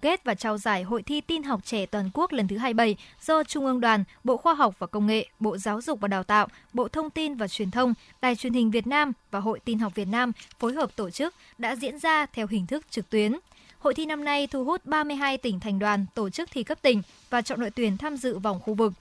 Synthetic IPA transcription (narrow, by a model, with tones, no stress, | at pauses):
ke˦˥t̚vaː˨˩t͡ɕaː˧wzaː˧˩jɦo̰˧˨jt̪ʰi˧t̪i˧nɦa˨˩wk͡p̚t͡ɕɛ˧˩t̪waː˨˩nku˦˥ək̚lə˨˩nt̪ʰɨ˨˦ɦaː˧jɓə˧˩jz̥ɔ˧t͡ɕʊ˧ŋ͡mʔɨ˧əŋɗwaː˨˩nɓo̰˧˨xwaː˧ɦa˨˩wk͡p̚vaː˨˩kə˧wŋ͡mŋḛ˧˨ɓo̰˧˨zaː˨˦wzʊ˨˩k͡p̚vaː˨˩ɗaː˨˩wt̪a̰ː˧˨wʔɓo̰˧˨t̪ʰə˧wŋ͡mt̪i˧nvaː˨˩t͡ɕwi˨˩ənt̪ʰə˧wŋ͡m | ɗaː˨˩jt͡ɕwi˨˩ənhï˨˩ŋ̟vi˨˩ət̚naː˧mvaː˨˩ɦo̰˧˨jt̪i˧nɦa˨˩k͡p̚vi˨˩ət̚naː˧mfo˨˦jɦəː˨˩p̚t̪o˧˩t͡ɕɨ˦˥k̚ | ɗa̰ː˧˥zḭ˧˥ənzaː˧t̪ʰɛ˧wɦï˨˩ŋ̟t̪ʰɨ˦˥k̚t͡ɕɨ˨˩k̚t̪wi˨˦ən | ho̰˧˨jt̪ʰi˧na˧mna˧jt̪ʰu˧ɦu˦˥t̚ɓaː˧mɨ˧əjɦaː˧jt̪ï˧˩ŋ̟t̪ʰɛ˨˩jŋ̟ɗwaː˨˩nt̪o˧˩t͡ɕɨ˦˥k̚t̪ʰi˧˩kə˦˥p̚t̪ï˧˩ŋ̟ | vaː˨˩t͡ɕɔ̰˧˨no̰˧˨t̪wənt̪ʰaː˧mzɨ̰˧˨va˨˩wŋ͡mxu˧vɨ˨˩k̚